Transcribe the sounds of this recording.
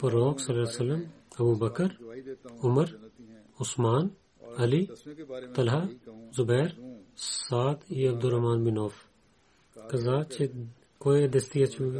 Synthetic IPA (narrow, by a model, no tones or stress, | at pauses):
pɐɾoːksɐlɐsɐlːɐm | ɐbuːbɐkəɾʊmɐɾ | ʊsmaːn | ɐlit̪ɐlɦazʊbɛːɾsaːt̪iɐb̚d̪ʊɾɐɦmaːnbɪnoːf | kɐzaːt͡ʃʰe | koːjed̪ɐst̪iɐt͡ʃʰu